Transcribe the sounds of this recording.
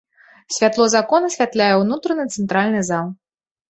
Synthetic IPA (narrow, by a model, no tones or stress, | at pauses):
sʲvʲat̪lˠɔzakɔnɐsʲvʲat̪lʲajɛwnut̪ɾɐnɨt̪sɛnt̪ɾalʲnɨzalˠ